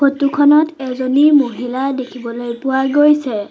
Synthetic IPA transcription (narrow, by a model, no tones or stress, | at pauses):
xotukʰɔnɔtɛzonimoɦiladekʰibɔlojpʊwaɡojsɛ